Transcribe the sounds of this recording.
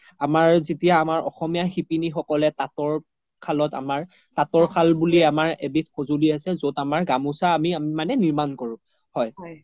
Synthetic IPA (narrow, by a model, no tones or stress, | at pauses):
amaɹzetijaːmaɹʔɔxɔmijaxipinixɔkɔlɛtatɔɹ | kʰalɔta̰maɹ | tatɔɹkʰalbuliamaɹebit̚xozuliasɛzodamaɹɡamusaːmiamanɛniɹmankɔɹʊ̃ | hɔj